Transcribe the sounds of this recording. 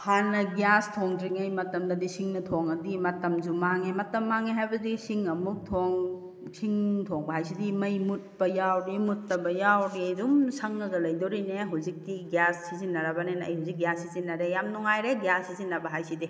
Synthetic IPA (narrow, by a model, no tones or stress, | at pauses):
hanːɐɡjastʰoŋdɾiŋɐjmɐtɐmdɐdisiŋnɐtʰoŋɐdimɐtɐmd͡ʒumaŋemɐtɐmːaŋeɦajbɐdisiŋɐmuk̚tʰoŋ | siŋtʰoŋbɐɦajsidimɐjmut̚bɐjawɾimutːɐbɐjawɾidumsɐŋnɐɡɐlɐjdoɾineɦuwzik̚diɡjassizinːɐɾabanenɐ̰jhuzik̚ɡjasizinːɐɾejamnuŋajɾeɡjasːizinːɐbɐɦajsidi